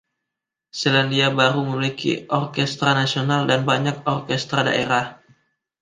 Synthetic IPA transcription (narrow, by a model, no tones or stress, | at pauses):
silandiabaɾuməmilikḭʔɔrkɛst̪ɾanasionaldanbaɲak̚ɔrkɛst̪ɾada̰ʔeɾah